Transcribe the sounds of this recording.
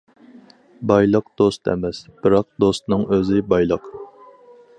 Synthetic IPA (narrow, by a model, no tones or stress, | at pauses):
bɑjlˠəqd̪̥ost̪ʰɛ̰mɛsb̥ɪɾɑq̚d̪ost̪nɨŋøzɪbɑjlˠəq